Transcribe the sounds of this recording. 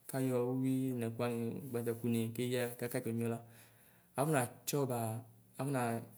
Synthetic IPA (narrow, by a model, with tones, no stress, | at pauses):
ka˦jɔ˧˦wi˦˨nɛ˨kʷa˦ŋi˨ɡ͡ba˧˨a˨ku˦ne˨ke˦ja˦˨ka˦ka˦t͡ʃo˨m˦ɔ˧la˦ | a˨˦u˦na˨t͡ʃɔ˦baː˨˦ | vu˦na˨